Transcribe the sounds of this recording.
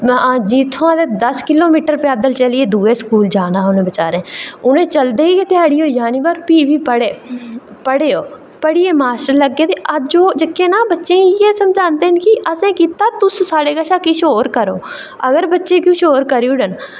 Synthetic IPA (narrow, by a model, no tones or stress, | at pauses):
d͡ʒiːt̪ʰoãːd̪eːd̪əskɪloːmiːʈəɾpaːd̪əlt͡ʃəlieːd̪uːeːskuːld͡ʒaːnaːʊnẽːbət͡ʃaːɾẽːʊnẽːt͡ʃəld̪eːiːkɪt̪ɪjaːɽiːoːjaːniːbəɾpiːʋiːpəɽeː | pəɽeːoː | pəɽiːeːmaːsʈəɾləɡːeːt̪eːʔəd͡ʒoːd͡ʒɪkʰːeːnaːbətːʃẽːijeːsəmd͡ʒaːnd̪eːɦənkiʔəsẽːkiːt̪aːt̪ʊssaːɽeːkəʃaːkiːʃoːɾkəɾo̰ː | əɡəɾbətːʃẽːkjũːʃoːɾkəɾjuːɖən